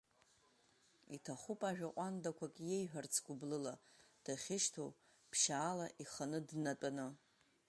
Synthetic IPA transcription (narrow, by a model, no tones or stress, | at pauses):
itʰaχupʼaʒᶣaqʷʼandakʷʰakʼjejħᶣʷart͡sʰɡʷʊblɨlad̥aχʲɪʃtʰo | pʰʃaːlaʔiχanɨdnatʼanɨ